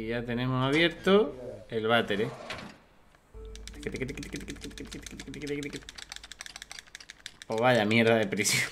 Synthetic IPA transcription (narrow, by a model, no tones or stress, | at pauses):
iʝat̪enẽmosaβje̞ɾt̪oelβ̞at̪e̞ɾe | t̪ket̪kt̪kt̪kt̪kt̪kt̪kt̪kt̪kt̪kt̪kt̪k̪k̪ | poβaʝamjeɾðaðepɾisjo